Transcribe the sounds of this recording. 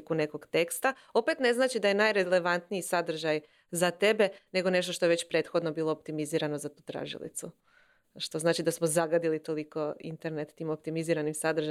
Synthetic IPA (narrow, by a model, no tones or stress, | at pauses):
kune̞ko̞ɡt̪e̞kst̪a | o̞pe̞t̪ne̞znaːt͡ʃid̪aje̞najɾele̞ʋant̪nijisad̪r̩ʒaj | zat̪e̞be̞ne̞ɡo̞ne̞ʃ̬t̪oʃt̪o̞eʋe̞t͡ɕpɾe̞t̪xo̞d̪no̞biːlˠo̞op̚t̪imiziːɾano̞zat̪uːt̪ɾa̰ʒḭlḭt̪su | ʃt̪o̞znaːt͡ʃid̪asmozaɡad̪ilit̪o̞liko̞ḭnt̪e̞ɾne̞t̪ːiːmop̚t̪imiziːɾanimsad̪ɾ̩ʒa